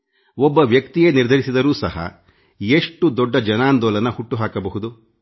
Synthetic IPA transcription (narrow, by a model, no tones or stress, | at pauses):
ɔbːɐʋjɐkt̪ijeːniɾd̪ʱɐɾisid̪ɐɾuːsɐ̰hɐ̰ | eʂʈːud̪ɔɖːɐd͡ʒɐnaːnd̪ɔːlɐnɐhuʈːuɦaːkɐbɐɦud̪u